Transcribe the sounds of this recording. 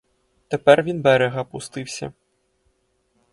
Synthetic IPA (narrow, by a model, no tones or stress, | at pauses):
t̪ɛpɛrvʲinbɛɾɛɣɐpust̪ɨwsʲɐ̰